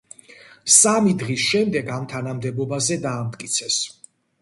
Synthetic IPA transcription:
samid̪ʁisʃɛmd̪ɛɡamt̪ʰanamd̪ɛbɔbazɛd̪aːmt̪ʼkʼit̪sʰɛs

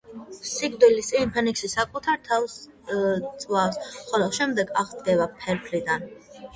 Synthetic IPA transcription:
siɡ̚d̪ilisimpʰɛniksisakʼut̪ʰaɾt̪ʰals | tt̪sʼwafsχɔlɔʃɛmd̪ɛɡaʁɡɛvapʰɛɾpʰlid̪an

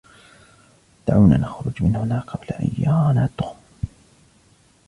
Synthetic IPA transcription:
d̪̥aʕawna̰ːnaxɾʊd͡ʒmɪnhʊnaːqʰɑblaʔa̰jːaːnaːt̪ːʊxʊm

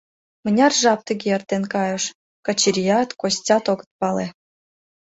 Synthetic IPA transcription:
mə̆nʲɑrʒɑp̚t̪ə̆ɡʲeert̪enkɑjə̆ʃ | kɑt͡ɕiɾʲijɑt̪kosʲt͡sʲɑt̪oɡə̥̆t̪̚pɑle

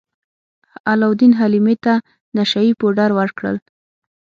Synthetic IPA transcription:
alawd̪inɦalimet̪a | naʃaipoɖaɾwəɾkɽə̰l

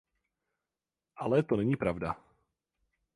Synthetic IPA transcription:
ʔalɛt̪ɔnɛɲiːpɾavda

